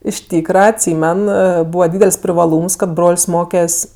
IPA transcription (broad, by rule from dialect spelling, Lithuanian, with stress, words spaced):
ɪʃ ˈtʲiːkrɐ ɐtʲˈsʲiːmʲɛn ˈbuːʋɐ ˈdʲiːdʲɛlʲsʲ pʲrʲɪʋɐˈlˠuːms kɐt ˈbroːlʲsʲ ˈmoːkʲɛsʲ